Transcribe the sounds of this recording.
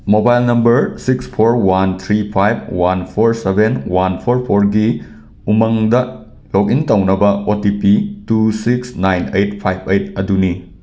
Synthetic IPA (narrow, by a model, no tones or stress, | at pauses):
mobajlnɐmbɐɾsikspʰoɾwant̪ʰɾipʰajb̚ʰwanpʰoɾsebenwanpʰoɾpʰoɾɡi | umɐŋdɐ | lok̬̚intɐwnɐbɐotipitusiksnajnejt̚pʰajbʰejtɐduni